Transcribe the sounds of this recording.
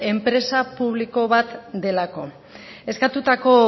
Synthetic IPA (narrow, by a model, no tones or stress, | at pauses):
e̞mpɾe̞sapuβ̞liko̞βat̪d̪e̞lako̞ | e̞skat̪ut̪ako̞